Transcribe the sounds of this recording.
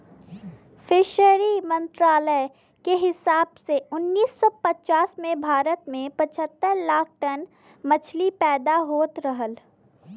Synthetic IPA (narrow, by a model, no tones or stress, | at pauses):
fʰɪʃəɾimə̃nt̪ɾaːləɪ | keɦɪsaːbseʊnːiːsːɔpət͡ʃaːsmẽbʱaːɾət̪mẽpɐt͡ʃʰət̪ːəɾlaːk̚ʰʈən | mɐt͡ʃʰlipɛːd̪aɦoːt̪ɾəɦəl